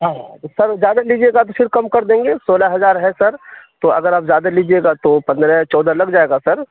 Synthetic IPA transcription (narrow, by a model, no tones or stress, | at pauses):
ɦãːosɐɾzjaːd̪aliːd͡ʒieːɡat̪ofɪɾkɐmkɐɾd̪ẽːŋɡesoːlaɦɐzaːɾɦɛsɐɾt̪oɐ̰ɡəɾaːpzjaːd̪aliːd͡ʒieːɡat̪opɐ̃nd̪ɾɛt͡ʃɔːd̪alɐɡd͡ʒaːeːɡasɐɾ